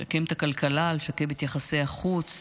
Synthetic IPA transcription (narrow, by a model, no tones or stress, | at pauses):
a̰kemt̪akalkalalʃakemet̪jaχase̞aχut͡s